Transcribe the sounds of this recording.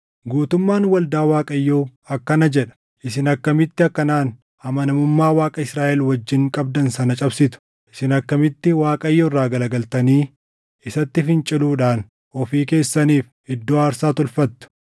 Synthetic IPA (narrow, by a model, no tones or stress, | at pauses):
ɡuːt̪ʊmːaːnwɐld̪aːwaːkʼɐjːoːɐkːɐnɐd͡ʒɛᶑɐ̥ | ʔɪsɪnɐkːɐmɪt̪ːɪɐkːɐnaːn | ɐmɐnɐmʊmːaːwaːkʼɐɪsɾaːʔɛlwɐd͡ʒːɪŋkʼɐb̚d̪ɐnsɐnɐt͡ʃʼɐbsɪt̪ʊ̥ | ʔɪsɪnɐkːɐmɪt̪ːɪwaːkʼɐjːoɪrːaːɡɐlɐɡɐlt̪ɐniː | ɪsɐt̪ːɪfɪnt͡ʃʼɪluːᶑaːn | ɔfiːke̞ːsːɐniːf | ɪd̪ːoːɐːɾsaːt̪ʊlfɐt̪ːʊ̥